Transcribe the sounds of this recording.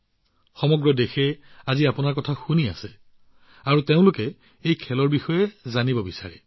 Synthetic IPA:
xɔmɔɡɹɔdexɛaziapʊnaɹkɔtʰaxuniasɛ | aɹuteʊ̃lʊkɛ | ejkʰɛlɔɹbixɔjɛzanibɔbisa̰ɹɛ

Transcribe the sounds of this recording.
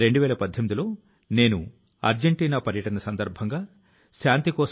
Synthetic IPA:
ɾe̞ɳɖuʋɛːlɐpɐd̪ʱjomid̪ilo̞ː | ne̞ːnu | ɐ̰ɾd͡ʒeɳʈiːnaːpɐɾjɐʈɐnɐsɐnd̪ɐɾbʱɐŋɡaː | ʃaːnt̪ikɔːs

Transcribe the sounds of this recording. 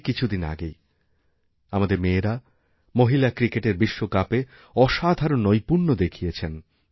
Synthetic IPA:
kit͡ɕʰud̪ina̰ɡej | amad̪eɾmeːɾa | moɦilakɾikeʈeɾbiʃːokape | ɔʃad̪ʱaɾonːojpuɾnod̪ekʰijet͡ɕʰen

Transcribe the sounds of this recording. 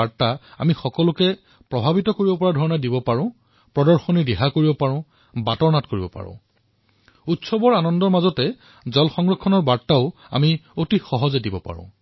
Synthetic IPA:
aɹtaa̰mixɔkɔlʊkɛ | pɹɔbʱabitɔkoɹibɔpɔɹadʱɔɹɔnɛdibɔpaɹʊ̃ | pɹɔdɔɹxɔnidɛɦakoɹibɔpaɹʊ̃ | batɔɹnatkoɹibɔpa̰ɹʊ̰̃ | utsɔbɔɹanɔndɔɹmazɔtɛ | zɔlxɔŋɡɹɔkʰːɔnɔɹbaɹtaʊ | a̰miotixɔɦɔzɛdibɔpa̰ɹʊ̰̃

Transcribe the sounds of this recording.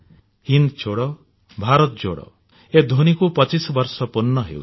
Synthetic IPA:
hind̪t͡ʃʰoɽɔ | bʱaɾɔt̪̚d͡ʒo̰ɽɔ̰ | ed̪ʱonikupɔt͡ʃisɔbɔɾsɔpunːɔɦḛw̰

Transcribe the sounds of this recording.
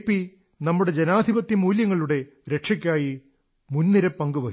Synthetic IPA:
pːi | nɐmːuɽe̞d͡ʑenaːd̪ʱibɐt̪ːimuːljɐŋːɐɭuɽe̞ | ɾe̞ʈʂɐk̬ʲːaːji | munːiɾɐpːɐŋɡuʋɐ

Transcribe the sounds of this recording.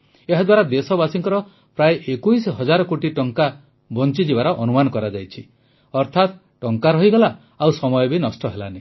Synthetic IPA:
eɦad̪waɾad̪esɔbasiŋkɔɾɔ | pɾajʔekujsɦɔd͡ʒaɾɔkoʈiʈɔŋka | bɔnt͡ʃid͡ʒibaɾɔʔɔnumanɔkɔɾad͡ʒajt͡ʃʰi | ɔɾt̪ʰat̪ | ʈɔŋkaɾɔɦiɡɔla | awsɔmɔjɔbinɔsʈɔɦela̰ne

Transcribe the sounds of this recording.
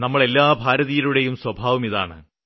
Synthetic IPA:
nɐmːɐɭe̞lːaːbʱaːɾɐðijiluɽe̞jumswɐbʱaːʋɐmiða̰ːɳɨ̰

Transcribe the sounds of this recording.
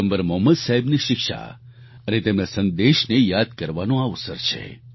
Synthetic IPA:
əmbəɾmɔɦməd̪saɦebniʃɪkʃa̰ | ənet̪emnasənd̪eʃnejad̪̚kəɾʋanõaʋsəɾt͡ʃʰḛ

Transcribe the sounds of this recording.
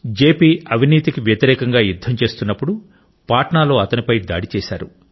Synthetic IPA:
d͡ʒe̞ːpiːɐʋiniːt̪ikiʋjɐt̪iɾɛːkɐŋɡaːjud̪ʱːɐmt͡ʃe̞ːst̪unːɐpːuɽu | paːʈɐɳaːlo̞ːɐt̪ɐnipɐjd̪a̰ːɽit͡ʃɛːʃa̰ːɾu

